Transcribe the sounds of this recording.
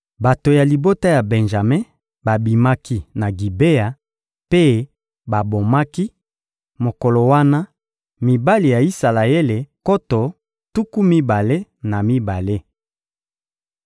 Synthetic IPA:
ba˨to˨ja˨li˨bo˦ta˦ja˨bɛ˨nʒa˨me˦ | ba˨bi˨ma˦ki˦na˨ɡi˨be˦a˨ | pe˦˨ | ba˨bo˨ma˦ki˦ | mo˨ko˨lo˨wa˦na˦ | mi˨ba˦li˨ja˨i˦sa˨la˨e˦le˨ko˦to˨ | tu˦ku˦mi˦ba˨le˦na˨mi˦ba˨le˦

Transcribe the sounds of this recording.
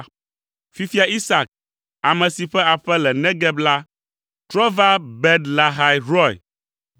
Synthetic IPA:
fi˨fi˦a˨ʔi˦sa˨k̚ | a˨mɛ̃˨si˨ɸɛ˦a˨ɸɛ˦lɛ˨nɛ̃˦ɡɛ˦bla˦ | t̪ɾɔ˦va˦bɛ˦d̪la˨ɦa˨jɾɔ˦˨j̰

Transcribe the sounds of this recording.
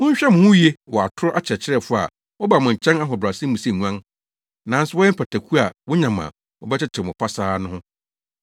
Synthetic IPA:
ʊ̃˦ɲ̩˦ɕᶣɛ˦mʊ̃˨hʊ̃˦je˦wɔ˨a˨tʰʊ˦ɾʊ˦ʔa˦t͡ɕʰɛ˨t͡ɕʰɪ˦ɾɛ˦˨fʊ˦a̰˨ | wɔ˦ba˨mʊ̃˨ɲ̩˨t͡ɕʰɛ̃˦na˦ɦɔ˨bɾa˨sĩ˦mũ˨si˦˨ŋu˦ã˦n | nã˨˦n˦sʊ˦wɔ˦jɛ˦m̩˦pʰa˨tʰæ˨kʰu˦a˨wɔ̃˦ɲã˨m˨ã̰˨ | wɔ̰˨bɛ˦t͡ɕʰɪ˦t͡ɕʰɪ˨mʊ̃˨pʰa˦saː˦nʊ̃˦hʊ̃˦

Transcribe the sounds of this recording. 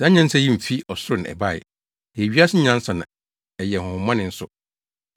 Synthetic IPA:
sã˦ɲã˦n̩˦sa˦jĩ˦m̩˨fi˦ɔ˨sʊ˦ɾʊ˨ñ˨ɛ̰˨ba˦˨ɪ̰˨ | jɛ˨ɥi˦a˦sɪ˦ɲã˦n̩˦sa˨nã˨ | ɛ˨jɛ˨hʊ̃˨hʊ̃˨˦mã˦nɪ̃˨n̩˦sʊ˨

